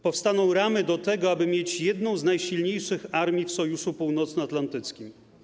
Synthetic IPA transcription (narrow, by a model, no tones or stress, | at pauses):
pɔfst̪anɔ̃w̃ɾamɘd̪ɔt̪ɛɡɔabɘmʲjet͡ɕjɛd̪nɔ̃w̃znajɕilɲejʂɘxaɾmʲifsɔjuʂupuwn̪ɔt̪snɔat̪lant̪ɘt̪skʲim